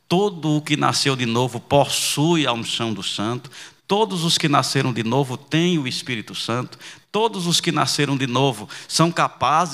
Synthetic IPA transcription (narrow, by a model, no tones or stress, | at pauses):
t̪od̪ʊːkɪna̰sewd̪ɪnovʊposujaw̃sɐ̃w̃d̪ʊsɐ̃nt̪ʊ̥t̪od̪ʊzʊskɪnaseɾɐ̃w̃d̪ɪnovʊt̪ẽj̃ʊɪspiɾit̪ʊsɐ̃nt̪ʊ̥t̪od̪ʊzʊskɪnaseɾɐ̃w̃d̪ɪnovʊsɐ̃w̃kapaz